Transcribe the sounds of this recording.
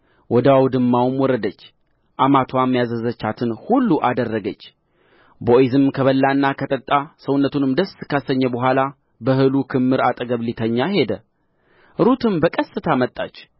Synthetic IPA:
wɔd̪əwawd̪ɨmːawmwɔɾəd̪ət͡ʃː | ʔamat̪ʰwamːjazəzət͡ʃːat̪ʰɨnhulːuʔad̪ərːəɡət͡ʃː | boizɨmkʰəβəlːanːakʰət̪ʼət̪ʼːasəwʊnːət̪ʰunɨmd̪əskʰasəɲːəbəɦʷala | bəɦɨlukʰɨmːɨɾat̪ʼəɡəβlit̪ʰəɲːahe̞d̪ə | ɾut̪ʰɨmbəkʼəsːɨt̪ʰamət̪ʼːa̰t͡ʃː

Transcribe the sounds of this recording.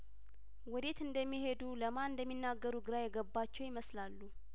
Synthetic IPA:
wɔd̪e̞t̪ɨnd̪əmːihe̞d̪uləmaɨnd̪əmːinːaɡːəɾuɡɨɾajɛɡəbːat͡ʃːɛwjɪməslalːu

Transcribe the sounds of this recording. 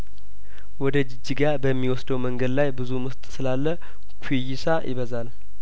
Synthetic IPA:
wɔd̪əd͡ʒɪd͡ʒːiɡaɾbəmːiwɔsd̪əwməŋɡəd̪lajbɨzumɨst̪ʼsɨlalːə | kʷʰijɪsajʔɪ̰βəzal

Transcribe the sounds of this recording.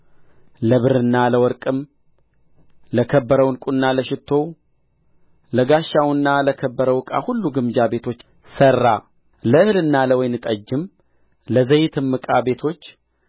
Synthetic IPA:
ləβɨɾɨnːaləwɔɾkʼɨm | ləkʰəbːəɾəwnkʼunːaləʃɪt̪ʰːo̞ | ləɡaʃːawɨnːaləkʰəbːəɾəwɨkʼa̰hulːuɡɨmd͡ʒabe̞t̪ʰo̞t͡ʃː | sərːa | ləɨhlɨnːaləwɔjnɨt̪ʼəd͡ʒːɨm | ləzəjɪt̪ʰɨmːɨkʼabe̞t̪ʰo̞t͡ʃː

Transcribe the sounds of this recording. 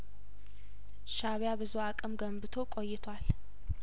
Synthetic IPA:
ʃaβjabɨzuakʼɨmɡəmbɨt̪ʰo̞kʼojːɪt̪ʰwal

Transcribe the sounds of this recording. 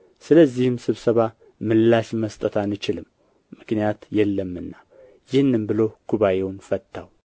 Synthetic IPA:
sɨləzːihɨmsɨβsəβa | mɨlːaʃməst̪ʼət̪ʰanːɨt͡ʃɪlɨmː | ɨknijat̪jɛlːəmːɨnːa | jɪhɨnːɨmbɨlo̞kʰuβajewnfət̪ːaw

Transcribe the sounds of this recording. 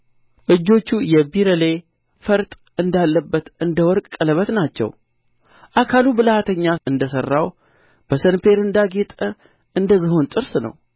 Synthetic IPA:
ʔɨd͡ʒːo̞t͡ʃːujɛbiɾəle̞ | fəɾt̪ʼ | ɨnd̪alːəbːət̪ɨnd̪əwɔɾkʼkʼːələβət̪nat͡ʃːɛ̰w | ʔakʰalubɨləhat̪ʰəɲːaɨnd̪əsərːaw | b̥əsənfe̞ɾɨnd̪aɡet̪ʼə | ʔɨnd̪əzːɨho̞nt̪ʼɨɾsnə̰w

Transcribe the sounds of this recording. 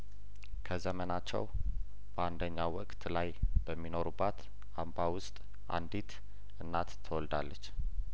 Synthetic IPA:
kʰəzəmənat͡ʃːɛ̰w | b̥əand̪əɲːawwɔkʼt̪lajb̥əmːino̞ɾubːat̪ | ambawʊst̪ʼ | ʔa̰nd̪it̪ | ɨnːat̪t̪ʰːəwɔld̪alːət͡ʃː

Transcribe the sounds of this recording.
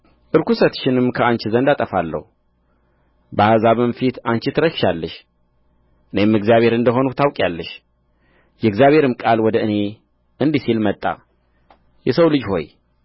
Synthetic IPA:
ʔɨɾkusət̪ʃɪnɨmːkʰəant͡ʃɪzənd̪at̪ʼəfalːə̰hu | bəhazaβɨmfit̪ant͡ʃɪt̪ʰɨɾəʃʃalːəʃ | ʔɨne̞mɨɡzijaβe̞ɾɨnd̪əɦonut̪ʰawkʼjalːəʃ | jɛɡzjaβʱe̞ɾɨmkʼalwɔd̪əɨne̞ | ʔɨnd̪isilmət̪ʼːa̰ | jɛsəwlɨd͡ʒho̞̰j

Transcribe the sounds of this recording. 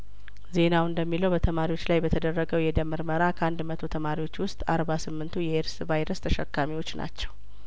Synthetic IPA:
ze̞nawɨnd̪əmːiləwbət̪ʰəmaɾiwo̞t͡ʃːlajbət̪ʰəd̪ərːəɡəwjɛd̪əmːɨɾməɾakʰəʔand̪mət̪ʰot̪ʰəmaɾiwo̞t͡ʃːwʊst̪ʼaɾβasɨmːɨnt̪ʰujɛeɾsvajɾəst̪ʰəʃə̰kːamiwo̞t͡ʃːna̰t͡ʃːɛw

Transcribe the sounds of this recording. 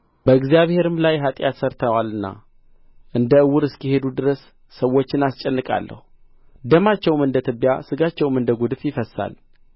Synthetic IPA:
b̥əɨɡzjaβhe̞ɾɨmlajɦat̪ʼjat̪səɾt̪ʰəwalɨnːa̰ | ʔɨnd̪əɨwːʊɾɨskihe̞d̪ud̪ɨɾəsː | əwo̞t͡ʃːɪnast͡ʃʼɛnːɨkʼa̰lːə̰hu | d̪əmat͡ʃːɛwmɨnd̪ət̪ʰɨbːja̰sɨɡat͡ʃːɛwmɨnd̪əɡud̪ɨfjɪfəsːa̰l

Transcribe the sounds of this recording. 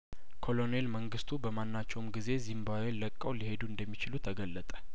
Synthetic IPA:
kʰo̞lo̞ne̞lməŋɡɨst̪ʰubəmanːat͡ʃːɛwmɡize̞zimbaweləkʼːəwlihe̞d̪uɨnd̪əmːit͡ʃɪlut̪ʰəɡəlːət̪ʼə̥

